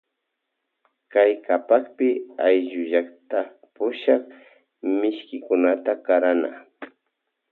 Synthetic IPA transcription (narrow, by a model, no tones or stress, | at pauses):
kajkapakpɪajʒʊʒakt̪a | pʊʃɑχ | mɪʃkɪkʊnat̪akaɾana̰